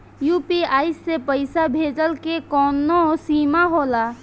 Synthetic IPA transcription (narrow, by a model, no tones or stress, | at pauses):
juːpiaːɪsːepəɪsabʱeːd͡ʒəlkekɔːnːosiːmaɦoːlaː